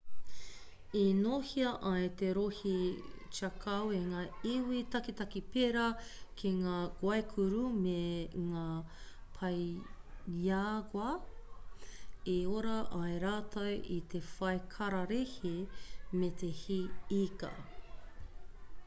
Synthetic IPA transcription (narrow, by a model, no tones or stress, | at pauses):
inoːhiɐʔɐjt̪eɾohit͡ʃakʰɐweŋaːiwitɐkit̪ɐkipeɾɐkʰiŋaːɡ̥wɐekʰuɾumeŋaːpʰɐj | jaɡwɐ | eoɾɐʔɐjɾaːtʰɐwʔit̪ʰefɐjkʰɐɾɐɾehimet̪ʰehiikɐ̰